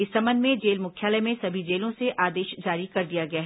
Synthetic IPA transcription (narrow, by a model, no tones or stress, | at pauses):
ɪsːɐmə̃nd̪mẽd͡ʒeːlmʊkʰjaːləjmẽsɐbʱid͡ʒeːlõseʔʔaːd̪eːʃd͡ʒaːɾikɐɾd̪ijaɡɐjaːɦ